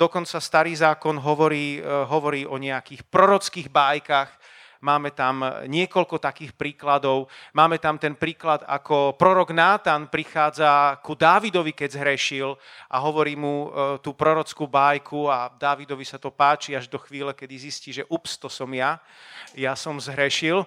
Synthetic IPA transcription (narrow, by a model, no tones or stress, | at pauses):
d̪̥ɔkɔnt͡sast̪aɾiːzaːkɔnɦɔʋɔɾiːɦɔʋɔɾiːɔɲɛakiːxpɾɔɾɔt͡skiːɣbaːjkaɣ | maːmɛt̪amɲɪɛkɔʎkɔt̪akiːxpɾiːklad̪ɔʊmaːmɛt̪amt̪ɛnpɾiːklad̪a̰kɔpɾɔɾɔɡnaːt̪aːnpɾixaːd͡zakud̪aːʋid̪ɔʋikɛzɦɾɛʃilʔaɦɔʋɔɾiːmut̪uːpɾɔɾɔt͡skuːbaːjkʰuad̪aːʋid̪ɔʋisat̪ɔpaːt͡ʃiaʒd̪ɔxʋiːlɛkɛd̪izisciːʒɛʔupst̪ɔsɔmja | jasɔmzɦɾɛʃil